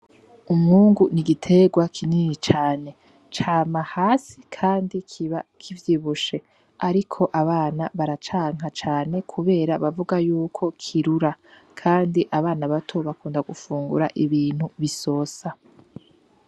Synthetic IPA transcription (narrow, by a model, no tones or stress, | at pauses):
umŋuːŋɡuniɡitʰe̞ɡwakʰininit͡ʃaːne̞ | t͡ʃaːmahaːsikʰaːndikʰiβakʰivjiːβuʃe̞ | aɾikʰo̞ʔaβaːnaβaɾat͡ʃaːŋ̥ɦat͡ʃaːne̞kʰuβe̞ːɾaβavuɡajuːkʰo̞kʰiɾuɾa | kʰaːndiʔaβaːnaβatʰo̞βakuːndaɡufuːŋɡṵɾaʔiβiːn̥huβiso̞ːsa